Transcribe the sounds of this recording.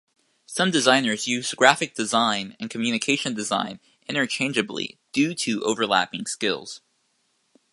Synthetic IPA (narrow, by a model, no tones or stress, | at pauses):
sʌ̃mdɨzãɪ̃nə˞zjʉzɡɹæfɨk̚d̥ɨzãɪ̃nɨ̃nkʰmjʉñɨkʰeɪʃɨ̃ndɨzã̰ɪ̃n | ʔɪ̃ɾ̃ə˞t͡ʃʰẽɪ̃nd͡ʒɨblḭd̥ʉɾɨʔo̰ʊvə˞læ̰pɪ̃ŋskɪ̰lˠz̥